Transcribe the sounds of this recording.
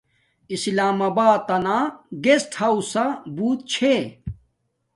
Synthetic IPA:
islaːmɐbaːt̪ɐnaːɡesʈhɐwsɐbuːt̪̚t͡ɕʰe

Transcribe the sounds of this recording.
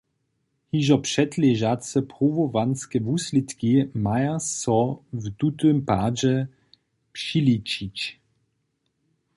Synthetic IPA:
hiʒɔpʂɛt̪lɛʒasɛpʁovovanskɛvuslit̪kimajassɔvd̪ut̪ømpad͡ʒɛ | pʂilit͡ʃit͡ɕ

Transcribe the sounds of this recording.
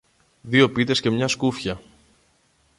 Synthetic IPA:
ðio̞pit̪e̞sce̞mɲɐskufçɐ

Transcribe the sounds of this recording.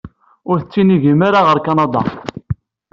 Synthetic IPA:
ʊɾθət͡sːiniʝimaɾaʁəɾkɑnɑd̪ˤɑ̰

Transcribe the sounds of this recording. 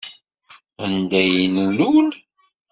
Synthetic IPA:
ənd̪æjnəlːul

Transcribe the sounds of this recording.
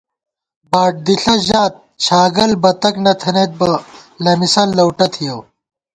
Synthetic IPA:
baːʈ̚d̪iɬɐʑaːt̪̚ | t͡ɕʰaːɡɐlbɐt̪ɐknɐt̪ʰɐnet̪̚bɐlɐmisɐllɐwʈɐt̪ʰijɐw

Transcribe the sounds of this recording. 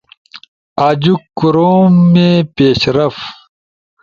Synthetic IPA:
aːd͡ʑukːuɾoːmːepeːɕɾɐf

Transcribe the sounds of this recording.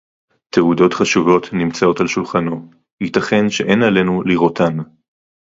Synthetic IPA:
teudo̞tχaʃuvo̞tnimt͡sao̞talʃulχano̞ | hitaχe̞nʃe̞ʔe̞nale̞nuliʁo̞tʰan

